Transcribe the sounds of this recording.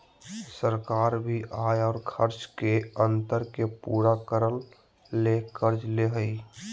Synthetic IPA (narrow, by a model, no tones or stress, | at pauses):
səɾkaːɾbʱiʔaːjɔːɾkʰəɾt͡ʃkeə̃nt̪əɾkepuːɾakəɾəlː | ekəɾd͡ʒleɦəi